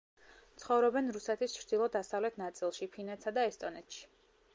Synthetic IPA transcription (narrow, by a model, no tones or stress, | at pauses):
t̪sʰχɔvɾɔbɛnɾusɛt̪ʰist͡ʃʰɾd̪ilˠɔd̪asavlɛt̪ʰnat̪sʼilˠʃipʰinɛt̪sad̪aɛst̪ʼɔnɛt̪ʰʃi̥